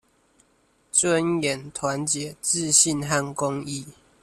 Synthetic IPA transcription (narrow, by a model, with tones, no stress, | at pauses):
t͡swə˦njɛ˨˩nt̪ʰwa˨˦nt͡ɕjɛ˨˦t͡sɹ̩˥˨ɕi˥˨nɦa˥˨nkʊ˦ŋi˥˨